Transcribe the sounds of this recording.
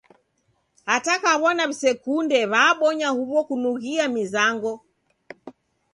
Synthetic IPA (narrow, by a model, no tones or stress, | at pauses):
hatakaβɔnaβisɛkundɛβaːɓɔɲahuβɔkunuɣiamizaŋɡɔ